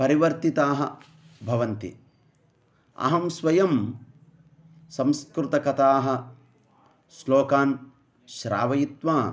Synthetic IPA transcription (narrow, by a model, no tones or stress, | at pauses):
pɐɾiʋɐɾt̪it̪aːɦɐ̰̆ | bʱɐʋɐnt̪ḭ | ɐ̰ɦɐmsʋɐjɐm | sɐ̃mskɾut̪ɐkɐt̪aːɦɐ̆ | sloːkaːn | ʃɾa̰ːʋɐjit̪ʋaː